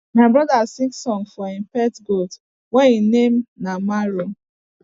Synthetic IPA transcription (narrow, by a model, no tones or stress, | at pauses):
maɪbɾɔdasĩŋksɔnfɔim̩pɛtɡot | wɛninem̩namaɾo